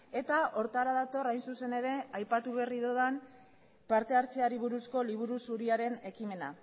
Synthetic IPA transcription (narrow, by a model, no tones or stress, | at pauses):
e̞t̪ao̞ɾt̪aɾaðat̪o̞rajnsuse̞ne̞ɾe̞ajpat̪uβe̞riðoðam | paɾt̪e̞aɾt͡seaɾiβ̞uɾusko̞liβ̞uɾusuɾiaɾe̞ne̞kime̞na